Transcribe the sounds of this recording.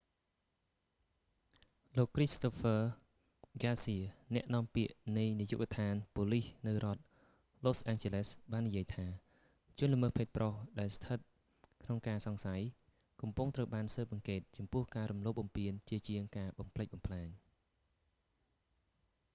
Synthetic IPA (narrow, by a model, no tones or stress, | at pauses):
loːkːrist̪opʰə | ɡaːsiənɛ̆əʔnɔ̆əmpiəʔnɨjnijṵːʔkt̪ʰaːnpoːlihnɨwrŏət̪̚ | loːsʔɛːŋt͡ɕelesɓaːnːijiəjt̪ʰaː | t͡ɕʊ̆ənləməːhpʰeːt̪̚prohɗaɛlst̪ʰət̪̚ | kʰnoŋkaːsɑŋsaj | kɑmpuŋt̪rəwɓaːnsəːp̚ʔɑŋkeːt̪̚t͡ɕɑmpʊəhkaːɾumloːp̚ɓɑmpiənt͡ɕiət͡ɕiəŋkaːɓɑmpʰləc̚ɓɑmpʰlaːɲ